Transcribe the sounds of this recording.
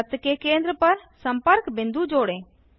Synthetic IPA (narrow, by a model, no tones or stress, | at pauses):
t̪kekẽːnd̪ɾəpɐɾsəmpəɾkbɪ̃nd̪ud͡ʒoːɽẽ